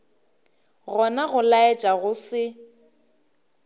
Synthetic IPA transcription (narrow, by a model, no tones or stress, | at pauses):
ɣɔnaɣʊlaɛt͡ʃʼaɣʊsɪ